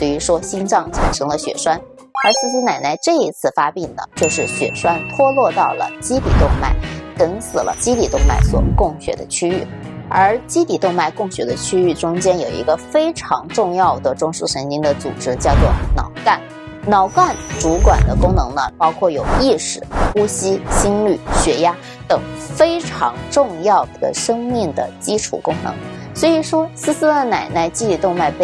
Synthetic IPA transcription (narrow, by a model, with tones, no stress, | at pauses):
t̪we˥˩y˧˥ʂwɔ˥ɕi˥nʈ͡ʂɑ˥˩ŋt͡ɕʰi˧˥nʂʰɤ˧˥ŋlə˧ɕɥɛ̰˨˩ʂwa˥n | ə˞˧˥ʂ̩˥˩s̩˥na˨˩ɪna˥˧ɪʈ͡ʂɤ˥˩i˧˥t͡sʰɹ̩˥˩˧fa˥pi˥˩ŋnə̰˩t͡ɕjo˥˧ʊʂɻ̩˥˩ɕɥɛ̰˨˩ʂwa˥nt̪ʰwɔ˥lwɔ˥˧t̪ɑ˥˩ʊlə̰˩t͡ɕi˥t̪ʰi˨˩t̪ʊ˥˧ŋma̰˥˩ɪkə˧˥nsɹ̩˨˩lʔə̰˦t͡ɕi˥t̪i˨˩t̪ʊ˥˧ŋma̰˥˩ɪswɔ̰˨˩kʊ˥˩ŋɕɥɛ̰˨˩d̪ə˦t͡ɕʰy˥y˥˩ | ə˞˧˥t͡ɕi˥t̪i˨˩t̪ʊ˥˧ŋma˥˧ɪkʊ˥˩ŋɕɥɛ˨˩d̪ə˦t͡ɕʰy˥y˥˩ʈ͡ʂʊ˥ŋt͡ɕjɛ˥njo˨˩ʊḭ˧˥ɡə˧fe˥ɪʈ͡ʂʰɑ̰˧˥ŋʈ͡ʂʊ˥˧ŋjɑ˥˩ʊd̪ə˩ʈ͡ʂʊ˥ŋʂ̩˥˩ʂə˧˥nt͡ɕi˥ŋd̪ə˨t͡sṵ˨˩ʈ͡ʂɻ̩˥t͡ɕjɑ˥˧ʊt͡swɔ̰˥˩nɑ̰˨˩ʊka˥˩n | nɑ˨˩˥ʊka˥˩nʈ͡ʂu˧˥kwa˨˩nd̪ə˦kʊ˥ŋnɤ˧˥ŋnə˧pɑ˥ʊkʰwɔ˥˩jo˨˩ʊi˥˩ʂɻ̩˨˩˦u˥ɕi˥ɕi˥nly˨˩ɕɥɛ˧˥ja˥ | t̪ɤ˨˩ŋfe˥ɪʈ͡ʂʰɑ̰˧˥ŋʈ͡ʂʊ˥˧ŋjɑ˥˩ʊd̪ə̰˩ʂɤ˥ŋmi˥˩ŋd̪ə̰˩t͡ɕi˥ʈ͡ʂʰṵ˨˩kʊ˥ŋnɤ̰˧˥ŋ | swɔ˧˥i˨˩ʂwɔ˥sɹ̩˥sɹ̩˥d̪ə˨na˨˩ɪna˥˩ɪt͡ɕi˥t̪i˨˩t̪ʊ˥˧ŋma˥˧ɪp